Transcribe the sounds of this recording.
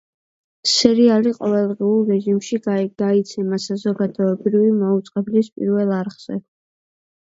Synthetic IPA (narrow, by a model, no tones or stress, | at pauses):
sɛɾialiqʼɔvɛlˠd̪ʁiulˠɛʒimʃiɡ̥ait̪sʰɛmasazɔɡad̪ɔɛbɾivimaut̪sʼqʼɛblispʼḭɾvɛlˠaɾʁz̥ɛ